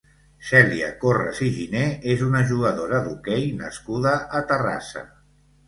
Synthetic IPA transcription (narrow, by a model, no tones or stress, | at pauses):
sɛliə̰korə̰ziʒineezunəʒuɣəðoɾəðukɛjnəskuðəʔːt̪əra̰sə̰